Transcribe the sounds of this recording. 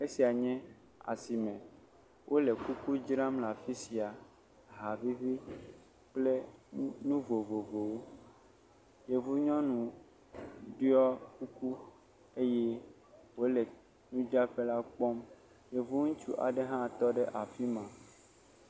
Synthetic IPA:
e˦si˨a˨ɲɛ̃˦ | a̰˨si˨mɛ̃˨ | wʔo˦le˨ku˦ku˦d͡ʒɾã˦mla˨fi˦si˨a˨ | ɦa˨vi˦vi˦ | k͡ple˦nũ˦vo˨vo˨vo˨wo˦ | je˨vu˦ɲɔ̃˦nũ˨ | ɖi˦ɔ˦ku˦ku˦ | e˦jɛ˦ | wo˦lɛ˨ | nũ˦d͡ʒa˦ɸe˦la˦k͡pɔ˦m | je˨vu˦ŋũ˦t͡ʃu˦ʔa̰˨ɖe˦ɦã˦˨t̪ɔ˦ɖɛ˦ʔa˨fi˦mã˨

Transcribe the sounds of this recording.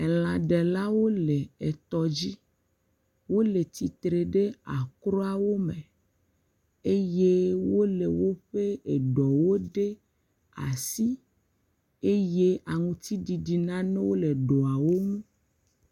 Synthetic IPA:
e˨l̃ã˨ɖɛ˨la˦wo˦le˨e˨t̪ɔ˨d͡ʑi˦ | wo˦le˨t̪i˨t̪ɾe˨ɖe˦a˨kɾɔ˦a˨wo˦mẽ˨ | e˦je˦wo˦le˨wo˦ɸe˦e˨ɖɔ˨wo˦ɖe˦ | a̰˨si˦ | e˦je˦a˨ŋũ˨t̪i˦ɖi˨ɖi˨nã˦nẽ˦wo˦le˨ɖɔ˨a˨wo˦ŋũ˦

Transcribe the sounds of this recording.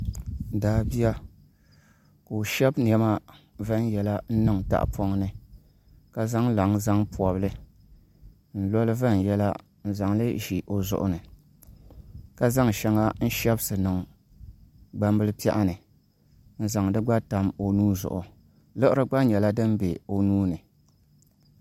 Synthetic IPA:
daː˨bi˦a˦ | ka˨o˨ʃɛ˦bn˨ɛ˦ma˦ | va˦n˦jɛ˨la˦n̩˦nɨ˦ŋta̰˦˨ʔpʰɔ˦ŋnɨ˨ | ka˦za˦ŋla˨ŋza˦ŋpu˨ɔ˨bɨ˦lɨ˦ | n̩˦lɔ˦lɨ˦va˦˨n˨jɛ˦la˦ | n̩˨za˨ŋlɨ˦ʒi˨ʔo˨zʊ̰˨ʔʊ̰˦nɨ˨ | ka˦za˦ŋʃɛ˦ŋa˦n̩˦ʃɛ˦bsɨ˨nɨ˨ŋ | ɡ͡ba˦mbɨ˦lɨ˦pi˦ɛ̰˦ʔa˦nɨ˨ | n̩˦za˨ŋdɨ˦ɡ͡ba˦ta˨mo˨nuː˦zʊ̰˨ʔʊ˨ | lɨ˦ʔɨ˦ɾɨ˦ɡ͡ba˦ɲɛ˨la˦dɨ˦m˦be˨o˨nuː˦nɨ˨

